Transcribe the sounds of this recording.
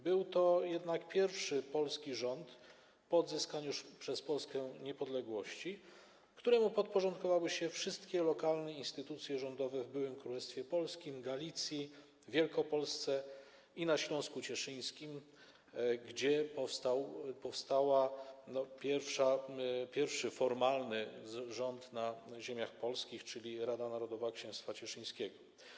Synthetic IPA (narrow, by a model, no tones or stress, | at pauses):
bɘwt̪ɔjɛd̪nakpʲjɛɾfʂɘpɔlskʲiʐɔnt̪ | pɔːd̪zɘskaɲuʂpʂɛspɔlskɛɲɛpɔd̪lɛɡwɔɕt͡ɕi | kt̪uɾɛmupɔt̪̚pɔʐɔnt̪̚kɔvawɘɕɛfʂɘst̪kʲɛlɔkalnɛinst̪ɘt̪ut̪sʲjɛʐɔnd̪ɔvɛvbɘwɘmkɾulɛst̪fʲjɛpɔlskʲimɡalʲit̪sʲji | vʲjɛlkɔpɔlst̪sɛ | inaɕlɔ̃w̃skut͡ɕɛʂɘj̃skʲim | ɡd͡ʑɛpɔfst̪awpɔfst̪awanɔpʲjɛɾfʂapʲjɛɾfʂɘfɔɾmalnɘʐɔnt̪naʑemʲjaxpɔlskʲixt͡ʂɘlʲiɾad̪anaɾɔd̪ɔvakɕɛ̃w̃st̪fat͡ɕɛʂɘj̃skʲɛɡɔ